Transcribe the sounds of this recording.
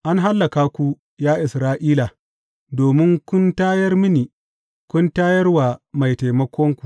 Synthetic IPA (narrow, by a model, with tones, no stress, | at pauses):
ʔa˦nɦa˦lːɐ˨kaː˦kʷu˦ | jaː˦ʔɪ˨sɾaː˦ʔiː˦la˨ | doː˨mɪ˦ŋkʷʊ˦ntaː˦jɐ˦rmɪ˦niː˨ | kʷʊ˦ntaː˦jɐ˦rwaː˨ma˨jta˨jmɐ˦kʷɔ˦ŋkʷu̥˨